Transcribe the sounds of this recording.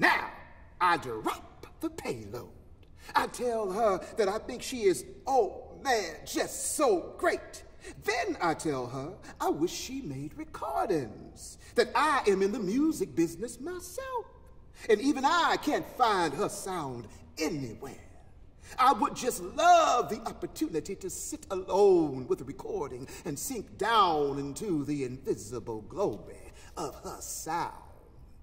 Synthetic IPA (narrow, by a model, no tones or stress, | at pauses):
naʊ | aɪdə˞ɑp̚ðəpʰeɪlo̰ʊ | ɾ̥ | aɪtʰɛlˠə˞ðɨɾaɪθɪ̃ŋkʃiɪzoʊmænd͡ʒʌstsoʊɡɹeɪt̚ | ðɨ̃naɪtʰɛlˠə˞ʔaɪwɪʃʃimeɪd̚ɹɨkʰɔɹdɨ̃nz̥ | ðɨɾaɪʔɨ̃mɨ̃nðɨmjʉzɨk̚b̥ɪznɨsmaɪsɛlˠf | ɨ̃nivɨ̃naɪkʰæ̃ntfãɪ̃nd̚ə˞sãʊ̃nd | ɛniwɛ̰ɹ | ʔaɪwəd̚d͡ʒʌstˡlʌvðiʔɑpə˞tʰʉnɨɾiɾɨsɪɾəlõʊ̃nwəðɹɨkʰɔɹɾɪ̃ŋɨ̃nsɪ̃ŋk̚d̥ãʊ̃nɪ̃ntʰuðiɪ̃ɱvɪzəbl̩ˠɡloʊbɪ̃ | ʌv̥ə˞sãʊ̃nd̥d̥